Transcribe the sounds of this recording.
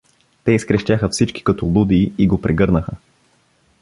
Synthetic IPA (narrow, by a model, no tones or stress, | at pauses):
t̪ɛiskɾɛʃt̪ʲaxəfsit͡ʃki̥kɐt̪ʊlˠud̪iiɡopɾɛɡɤɾnəxə